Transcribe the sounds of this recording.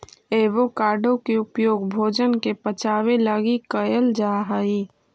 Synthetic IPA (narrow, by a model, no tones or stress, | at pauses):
eːʋokaːɾɖʱõkeʊpjoːɡbʱoːd͡ʒənkepət͡ʃaːwelaɡikəjəld͡ʒaɦəi